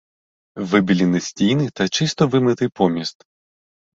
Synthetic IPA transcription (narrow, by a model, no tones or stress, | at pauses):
vɨbʲilʲinɨsʲtʲijnɨt̪ɐt͡ʃɨst̪ɔvɨmɨt̪ɨpʰɔmʲist̪